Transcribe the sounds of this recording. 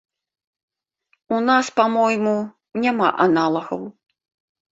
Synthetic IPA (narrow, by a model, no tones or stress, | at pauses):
unaspamɔjmu | nʲama̰ʔanalˠɐɣɐw